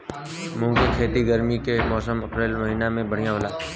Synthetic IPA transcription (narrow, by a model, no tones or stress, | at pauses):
mʊ̃ːkɪkʰeːt̪iɡəɾmikemɔːsəmɐpɾeːlmɐɦiːnamẽbəɽ̤ijãɦoːlaː